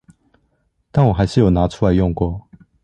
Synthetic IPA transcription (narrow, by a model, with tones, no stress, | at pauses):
t̪a˥˩nwɔ˨˩xa˨˦ɪɕ̩˥jo˨˩na˨˥ʈ͡ʂʰu˥˧la˨˦ɪjɔ˥˧ŋkwɔ˥˨